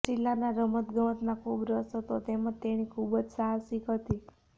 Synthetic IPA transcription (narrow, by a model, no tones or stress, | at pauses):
t͡ʃilːanaɾəmət̪ɡəʋət̪nakʰubɾəsot̪ot̪emə̃t̪eɽ̃ikʰubəd͡ʒsaɦasikət̪i